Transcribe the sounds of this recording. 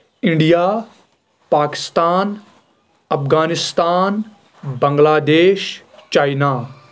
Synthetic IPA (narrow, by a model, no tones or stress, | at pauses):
ɪ̃ɳɖija | paːkɪ̥st̪aːn | ɐfɡaːnɪst̪aːn | bɐ̃ŋɡlaːd̪eːʃ | t͡ʃaːjna